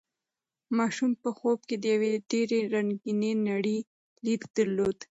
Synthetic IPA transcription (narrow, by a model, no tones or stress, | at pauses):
mɑʃumpəxob̚ked̪əjaweɖeɾeɾaŋɡinenaɽi | likd̪aɾlod̪